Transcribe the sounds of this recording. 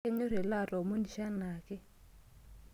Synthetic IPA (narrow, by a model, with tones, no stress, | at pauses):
e˦ɲo˦ɾe˨la˦˨ɾo˨mo˦ni˨ʃa˦na˨kɪ˦